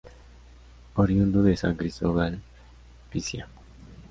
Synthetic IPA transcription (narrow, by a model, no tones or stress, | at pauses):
oɾjund̪oðesa̰ŋkɾist̪oβal | pisja